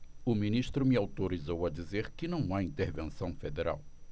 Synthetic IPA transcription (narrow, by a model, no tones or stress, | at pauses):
ʊminiʃt̪ɾʊmɪawt̪oɾizowɐd̪izeɾkɪnɐ̃w̃aĩnt̪eɾvẽsɐ̃w̃fed̪eɾa̰w